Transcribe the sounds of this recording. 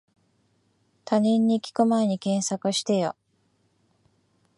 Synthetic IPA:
t̪ʰaɲĩɲ̟ːiːkʲi̥ko̞maeɲ̟ikẽ̞ɰ̃sakɯɕi̥t̪e̞jo̰

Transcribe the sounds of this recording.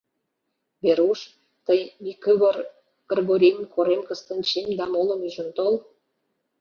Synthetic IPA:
βeɾuʃ | t̪əjmikəβər | kərɣoɾʲemkʰoɾemkəst̪ənt͡ɕemd̪ɑmolə̆myʒə̆nt̪ol

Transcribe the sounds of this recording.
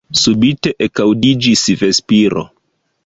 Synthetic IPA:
subite̞ʔekawdid͡ʒisve̞spiɾo̰

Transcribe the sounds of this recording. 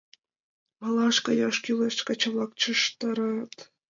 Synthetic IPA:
mɑlˠɑʃkɑjɑʂkʲyleʃkɑt͡ɕɤ̆βlˠɑk̚t͡ɕəʃt̪ɑɾɑt̪

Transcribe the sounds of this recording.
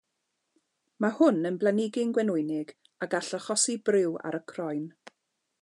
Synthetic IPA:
mahʊnənblˠanɪɡɪnɡwɛnʊjnɪɡ | aɡaɬaχɔsibrɪwa̰ɾəkʰrɔjn

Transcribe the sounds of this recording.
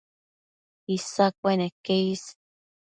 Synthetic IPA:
isak̚ʷenekeis

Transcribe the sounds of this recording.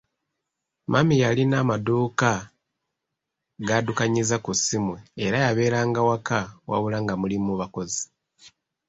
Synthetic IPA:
mʔamijalinaːmaduːka | ɡadukaɲizakusimweːɾajaβe̞ːɾaːŋɡawakawa̰βulaŋɡamulimuβako̞zi

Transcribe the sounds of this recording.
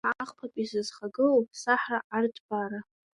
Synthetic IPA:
aʕaχpʰapʼizɨzχaɡɨlopʰʼsaħraʔartʰʼbaɾa

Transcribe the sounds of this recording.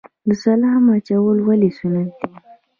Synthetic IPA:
d̪əsalaamat͡ʃawəlwalesunad̪̚d̪i

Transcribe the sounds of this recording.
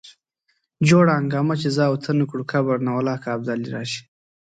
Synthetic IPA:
d͡ʒoːɽaaŋɡɑːmat͡ʃezɑːwt̪ʰɐnukɽukʰabaɽnawalɑːkaːb̚d̪aːliɾɑ̰ːʃi̥

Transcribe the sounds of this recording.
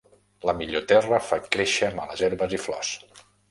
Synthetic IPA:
ləmiʎot̪ɛrəfakɾeʃəmaləzɛɾβəziflɔ̰s

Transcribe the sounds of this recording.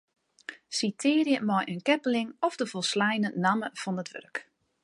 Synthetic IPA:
sitʰɪːɾjəmɔjʔənkɛpəlɪŋɔfdəvɔlˠslɛjnənaməfɔndətʋø̰rk

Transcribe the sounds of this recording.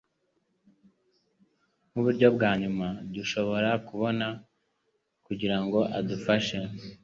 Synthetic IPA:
muβuɾɟo̞bɡaːɲumad̪uʃo̞βo̞ɾakuβo̞na | kuɟiɾaŋɡo̞ʔadufaʃe

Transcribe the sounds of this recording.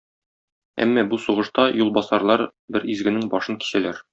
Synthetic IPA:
æ̰mːæbusuʁɤ̆ʃt̪ɑjulˠbɒsɑɾlˠɑɾbɘɾizɡɘ̆nɘŋbɒʃɤŋki̥sælæɾ

